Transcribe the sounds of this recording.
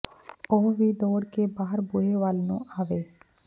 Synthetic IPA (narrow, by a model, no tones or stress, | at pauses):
oːʋiːd̪ɔːɾkebaːɦəɾbʊɦeʋaːlnṵ̃ʔaːʋeː